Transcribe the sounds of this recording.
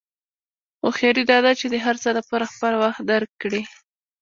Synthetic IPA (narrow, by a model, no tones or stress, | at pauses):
oxjɑɾid̪ɑd̪at͡ʃed̪əɦaɾt͡səd̪apoɾaxpəlawaxt̪̚d̪aɾkːɽi